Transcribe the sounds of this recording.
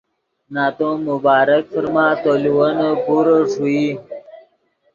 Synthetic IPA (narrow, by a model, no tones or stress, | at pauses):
naːt̪õmʊbaːɾək̚fəɾmãːt̪oliwənəpuɾəʂui